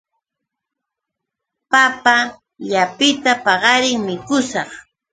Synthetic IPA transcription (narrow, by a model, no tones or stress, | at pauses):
papa | ʎapɪt̪apɑɢɑɾɪŋmɪkʊsɑχ